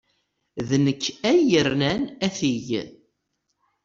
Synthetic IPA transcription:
ðnəkːæjəɾnænæθiʝ

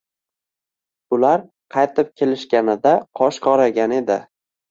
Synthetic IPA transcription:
ʊlaɾ | qʰɑjt̪ʰɪp̚kʲʰe̞lɪʃkʲanɪd̪aqʰɒʃqʰɒɾaɡʲane̞d̪ɪ

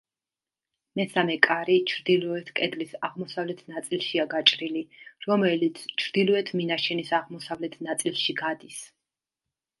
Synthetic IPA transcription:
mɛsamɛkʼaɾit͡ʃʰɾd̪ilˠɔɛt̪ʰkʼɛd̪lisaʁmɔsavlɛt̪ʰnat̪sʼilˠʃiaɡat͡ʃʼɾiliɾɔmɛlit̪sʰt͡ʃʰɾd̪ilˠɔɛt̪ʰminaʃɛnisaʁmɔsavlɛt̪ʰnat̪sʼilˠʃiɡad̪is

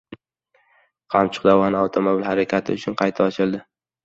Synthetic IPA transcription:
qʰɑmt͡ʃʰʊ̥qd̪avɒnɪawt̪ʰomobɪlhaɾakʲʰat̪ʰɪʊt͡ʃʰʊnqʰɑjt̪ʰaɒt͡ʃʰɪld̪ɪ

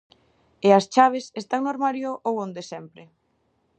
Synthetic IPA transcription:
eɐst͡ʃaβ̞esest̪aŋnoɾmaɾjoʔowõnd̪esɛmpɾɪ

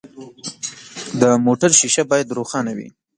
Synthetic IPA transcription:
d̪əmoʈaɾʃiʃabɑjad̪ɾoxɑnawḭ

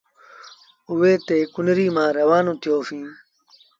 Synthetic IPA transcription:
ʊʋeːt̪eːkʊnɾiːmãːɾəʋaːnũːt̪ʰɪjoːfĩː

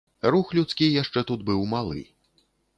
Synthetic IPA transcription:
ruxlʲut̪skʲijaʂt͡ʂɛt̪ud̪̚bɨwmalˠɨ̰

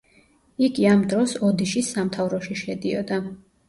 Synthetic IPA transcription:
iɡiamd̪ɾɔsɔd̪iʃisamt̪ʰavɾɔʃiʃɛd̪iɔd̪a

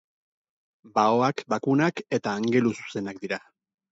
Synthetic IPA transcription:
baoakbakunake̞t̪aːŋɡe̞lusu̥se̞nak̚d̪iɾa

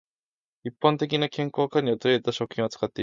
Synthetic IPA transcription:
ipːãnt̪e̞k̬ʲinakẽ̞ŋko̞ːkaɲ̟iot̪oet̪aɕo̞kɯ̟xʲĩɰ̃ot͡sɨ̥kat̪ːe̞

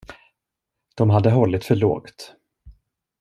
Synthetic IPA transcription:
d̪̥ɔmɦad̪ːəɦɔlːɪt̪fœɭo̰ːɡt̪

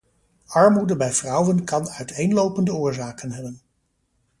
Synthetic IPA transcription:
ɑɹmudəbɛjv̥rʌwənkɑnœɥtejnlowpəndəʊːɹzaːkənɦɛbən

